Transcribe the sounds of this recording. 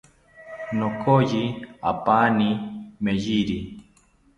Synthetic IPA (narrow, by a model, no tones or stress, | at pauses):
nokojia̰panimejiɾi